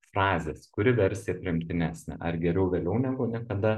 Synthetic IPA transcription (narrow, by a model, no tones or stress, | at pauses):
frɑːzʲeːskʊɾʲɪʋʲɛɾʲsʲeːpʲɾʲɪɪmʲt̪ʲɪnʲæːsʲnʲɛ̰ʔɐɾɡʲɛɾʲɛʊʋʲeːlʲɛʊnʲæɡoːnʲɛkɐd̪ɐ